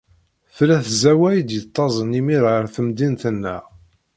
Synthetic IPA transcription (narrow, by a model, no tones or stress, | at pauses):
θlæθzæwæjd̪jət̪ˤːɑzˤənimiɾʁəɾθəmd̪int̪ənːæ̰